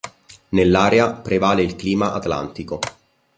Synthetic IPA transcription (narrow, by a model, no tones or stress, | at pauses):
nelːaːɾeapɾevaːleilkliːmaʔa̰t̪la̰nt̪iko